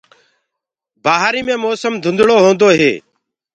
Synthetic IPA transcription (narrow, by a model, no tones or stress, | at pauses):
baːɦaːɾiːmẽːmoːsəmd̪ʱʊnd̪ɽoːɦõːnd̪oːɦeː